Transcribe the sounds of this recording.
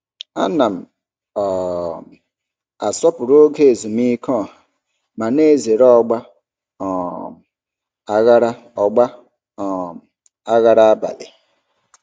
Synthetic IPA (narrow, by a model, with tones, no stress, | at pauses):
a̰˦na˨m̩˨ | ɔ˨ | a˨sɔ˦pʊ˨ɾo˦ɡe˦˨zu˨mi˦kɔ˦˨a˨ | ma˨ne˦˨ze˨ɾɔ˦˨ɡ͡ba˦ | ɔ˨m˨ | a˦ɣa˦ɾa˦ | ɔ˨ɡ͡ba˦ | ɔ˨ | a˦ɣa˦ɾa˦a˦ba̰˨lɪ̰˨